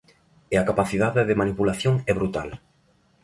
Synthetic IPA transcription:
ɪakapaθið̞aðɪðɪmanipulaθjoŋɛβɾut̪al

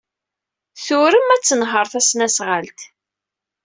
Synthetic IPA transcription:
θʊɾəmæt͡sːənɦəɾˤθæsnæsʁəlt̪

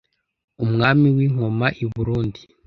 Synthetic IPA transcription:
umŋaːmiwiːŋ̥o̞maʔiβuɾuːndi

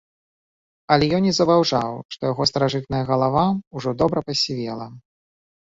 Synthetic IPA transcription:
ɐlʲɛjɔnʲizɐbawʐawʂt̪ɔjaɣɔst̪ɐɾaʐɨt̪̚nɐjɐɣɐlˠavauʐɔd̪ɔbɾɐpɐsʲivʲɛlˠɐ

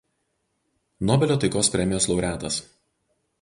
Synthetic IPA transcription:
nɔbʲɛlʲoːt̪ɐɪkoːspʲɾʲɛmʲɪjoːslˠɒʊɾʲæːt̪ɐs

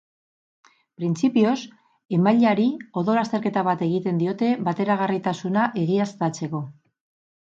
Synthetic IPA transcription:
pɾint͡sipio̞s | e̞maʎaɾio̞ðo̞last̪e̞ɾke̞t̪aβ̞at̪e̞ɣit̪e̞nd̪io̞t̪e̞βat̪e̞ɾaɣ̞arit̪asunaʔe̞ɣiast̪at͡se̞ko̞

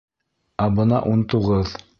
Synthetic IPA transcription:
æbɤnɑʔunt̪uʁɤð

